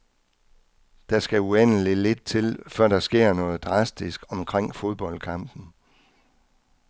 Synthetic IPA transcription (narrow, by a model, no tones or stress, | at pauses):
d̥ɑ̈sɡ̥æuen̰əlile̝d̥̚t͡sʰe̝lfɶɐ̰ɾ̥ɑ̈sɡ̥e̝ɐ̰nɔ̽ːð̩ˠd̥ʁɑ̈sd̥isɡ̥ɒ̽mkʰʁeŋ̰fo̝ð̞ˠb̥ɒ̽l̰kʰɑ̈m̰b̥n̩